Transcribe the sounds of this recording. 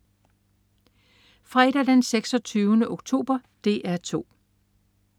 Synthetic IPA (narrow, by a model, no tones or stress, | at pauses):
fʁɑeɾ̥æd̥enseɡ̥sɒ̽t͡sʰyːʊnəʔoɡ̥t͡sʰo̝̰ːb̥ɐd̥e̝ːʔæɐt͡sʰo̝̰ː